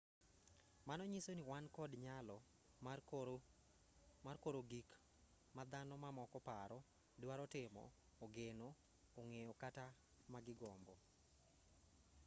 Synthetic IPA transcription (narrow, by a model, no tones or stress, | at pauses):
manɔɲisoniwankɔdɲalɔ | markoɾoɡik | mad̪anɔmamɔkɔpaɾɔ | dɪwaɾɔtɪmɔ̰ː | ɡeno | oŋejɔkata | maɡɪɡɔmbɔ